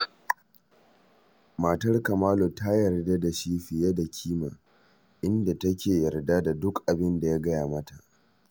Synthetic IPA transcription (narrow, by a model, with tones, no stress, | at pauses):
ma˨tɐ˦rkɐ˨maː˦lo˨ta˦jɐ˨rda˦da˨ʃiː˦ɸɪ˨je˦da˨kʲʰiː˦maː˨ | ʔɪ˦nda˨tɐ˦kʲʰeː˨jɐ˨rda˦da˨dʊ˦kʔa˨bɪ˦nda˨ja˦ɡɐ˦jaː˨mɐ˦ta˨ʔ